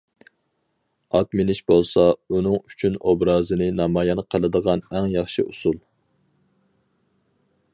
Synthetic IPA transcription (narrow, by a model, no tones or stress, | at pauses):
ɑkmenɪʃbolˠsɑunɨŋyt͡ʃʰynobɾɑːzɨnɨnɑmɑːjɑnqʰəlˠɨd̪əʁɑnɛŋjɑχʃḭʔusulˠ